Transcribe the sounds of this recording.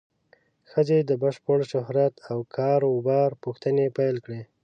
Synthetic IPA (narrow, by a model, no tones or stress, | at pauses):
xəzed̪əbəʃpəɽʃʊɦɾat̪ʰawkʰɑɾʊbɑɾpuxt̪ənepajlkɽe